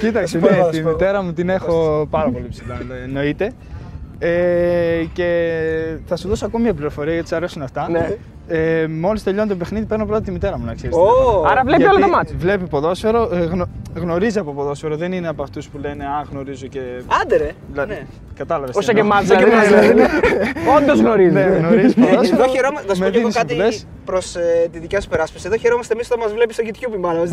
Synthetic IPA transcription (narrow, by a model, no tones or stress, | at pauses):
cit̪ɐksenet̪imit̪e̞ɾɐmut̪ine̞xo̞pɐɾɐpo̞lipsilɐno̞it̪e̞ | e | ce̞ | θɐsuðosoɐkomɐmɲɐpliɾo̞fo̞ɾiɐʝɐt̪isɐɾe̞sunɐft̪ɐne | emo̞list̪eʎoɐnt̪ope̞xniðipe̞ɾnopɾo̞t̪ɐt̪imit̪e̞ɾɐmunɐkseɾisɐɾɐvlepiolɐðɐmɐvle̞pipo̞ðo̞sfeɾo̞ɣnoɣno̞ɾiziɐpopoðo̞sfeɾoðenineɐpoɐft̪uspule̞ne̞ɐɣno̞ɾizoce̞ɐnd̪eɾeðilɐðe | kɐt̪ɐlɐvesosoemɐzɐeiazɐineond̪ozɣnoɾizneɣnoɾizzoðoçeɾomɐsθɐsmeðeinɣoskɐp̪iles | pɾo̞set̪iðicessu̥peɾɐspi̥sieðo̞çe̞ɾomɐst̪emist̪omɐzvle̞pist̪oʝit̪çupimɐlo